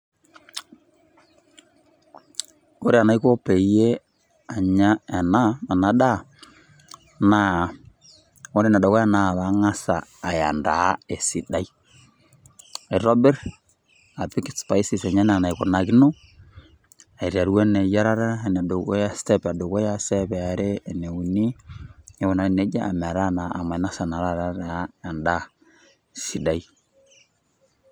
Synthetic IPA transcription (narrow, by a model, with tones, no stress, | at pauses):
ko˦ɾe˦˨a˨na˨i˦ko˦pe˨je˦ | a˨ɲa˦a˨na˦ma˨na˨˦da˦ | na˨ | o˦ɾe˨na˨do˨ko˦a˦na˨βa˨˦ŋa˦saː˨ja̰˨nda̰˨˦e˨si˨da˨˦i˦ | e˨ɾɔ˦bɛ˦ɾ | a˨pi˦ki˨spa˨i˦si˨sɛ˨ɲa˦na˨na˨i˨ko˨na˨ki˦no˦ | a˨e˨ɾa˨ɾu˦wɛ˦nɛ˨ja˦ɾa˦ɾa˦˨na˨do˨o˦ja˦stɛ˦pa˨do˨ɣo˦ja˦sɛ˦βɛ˨a˨ɾeː˦˨ne˨u˨ni˦ɛ˦wɔ˨na˨ne˨˦d͡ʒa˦a˨m˨a˨ɾa˦na˨a˨ma˨na˦sa˨na˨ɾa˦ɾa˦ɾa˨˦ja˨nda˦ | si˨da˨i˦